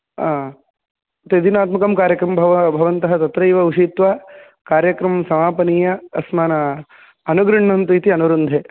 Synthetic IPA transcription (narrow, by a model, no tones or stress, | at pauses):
t̪ed̪inaːt̪mɐkɐmkaːɾjɐkɾɐmɐbʱɐbʱɐʋɐnt̪ɐɦɐt̪ɐt̪ɾɐjʋɐuʃiːt̪ʋa | kaːɾjɐkɾɐmɐmsɐmaːpɐniːjɐɐsmaːnɐ | ɐnuɡɾɨɳːɐnt̪uit̪iɐnuɾund̪ʱe